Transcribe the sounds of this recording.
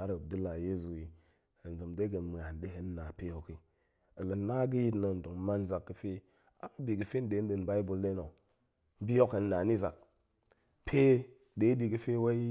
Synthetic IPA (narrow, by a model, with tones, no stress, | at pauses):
a˦ɾə˨du˦la˨je˦zu˨ji˨ | ə˨n˨zə˨mde˦ɡə˨nm˨a˨n˨ɗe˦ɦə˦n˦na˨pe˦jo˨ki˦ | ə˨lə˨na˦ɡi˦ji˦tnə˨n˨du˨ŋ˦ma˦n˦za˨kːə˦fe˦ | a̰˦bi˨ɡə˨fe˦n˦de˨˦n˦də˨n˨ba˦i˦bu˨lːe˦no˨˦ | bi˦jo˦kə˨nː˦a˨ni˦za˨k̚ | pʰe˦ | de˨˦di˨ɡə˦fe˦wa˦i˦